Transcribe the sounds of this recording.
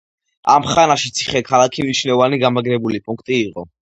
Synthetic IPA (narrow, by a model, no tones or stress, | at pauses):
a̰mχanaʃit̪sʰi̥χɛkʰalˠakʰimnit͡ʃʰnɛvaniɡamaɡɾɛbulipʼuŋkʰt̪ʼiːqʼɔ